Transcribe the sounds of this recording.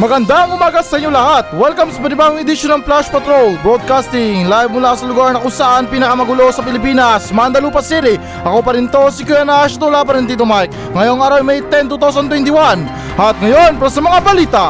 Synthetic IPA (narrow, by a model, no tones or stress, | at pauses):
mɐɡɐnd̪aɐŋʊmaːɡɐsɐʔɲːolɐhat̪̚wɛlkɐmsɐpɐnɪbaɡoŋɛd̪ɪʃonɐŋplaʃpɐt̪ɾolbɾod̪̚kast̪ɪŋlajvmʊlasɐlʊɡaɹnɐkʊnsɐʔanpiːnɐkɐmɐɡʊlosɐpɪlɪpiːnɐsmand̪ɐluːpɐsiɾɪ | ʔɐko̞pɐɾɪnt̪osikɛɐnaʃɐt̪ulap̬ɐɾɪnt̪iːt̪̬omajk | ŋɐjo̞ŋaːɾawmɐjt̪ɛnt̪̬uːt̪aws̬ɐnt̪wɛnt̪ɪwan | ɐt̪̚ŋɐjo̞npaɾɐsɐmɐŋabɐliːt̪ɐ